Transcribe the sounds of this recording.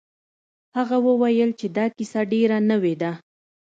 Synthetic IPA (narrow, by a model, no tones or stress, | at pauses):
haɣawəwajəlt͡ʃed̪ɑkisaɖeɾanəwed̪a